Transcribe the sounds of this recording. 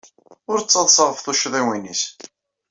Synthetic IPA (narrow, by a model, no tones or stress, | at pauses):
ʊɾt͡sːɑðˤsˤəʁəfθuʃðˤiwinis